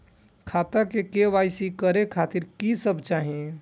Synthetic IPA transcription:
kʰaːt̪akekeʋaːɪsikəɾekʰaːt̪ɪɾkisəbt͡ʃaːɦẽ

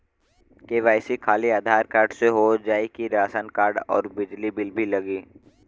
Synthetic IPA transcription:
keʋaːɪsikʰaːliaːd̪ʱaːɾkaːɾɖseɦod͡ʒaːikiɾaːsənkaːɾɖɔ̰ːɾbɪd͡ʒlibɪlbʱilɐɡiː

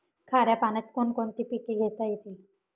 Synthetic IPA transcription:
kʰaɾjapanet̪konkont̪ipikeɡʱet̪ajet̪ʰil

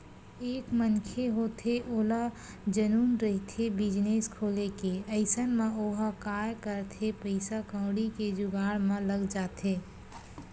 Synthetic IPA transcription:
eːkmənkʰeɦoːt̪ʰeʔoːla | d͡ʒənuːnɾəɦit̪ʰebɪd͡ʒneːskʰoːlekeəɪsənmẽoːɦakaːjkəɾt̪ʰepəɪsakə̃ːɽiked͡ʒʊɡaːɽmẽləɡd͡ʒaːt̪ʰeː

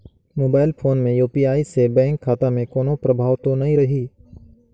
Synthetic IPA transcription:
moːbaːɪlpʰoːnmẽjuːpiaːisebɛ̃ːŋkʰːaːt̪amẽkoːnõpɾɐbʱaːʋt̪õnɐɦĩɾɐɦiː

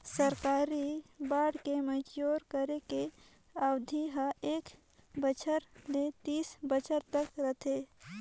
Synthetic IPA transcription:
səɾkaːɾibaːɽkeməd͡ʒjoːɾkəɾeke | awd̪ʱiɦəeːk | bət͡ʃʰəɾlet̪iːsbət͡ʃʰəɾt̪əkɾət̪ʰe

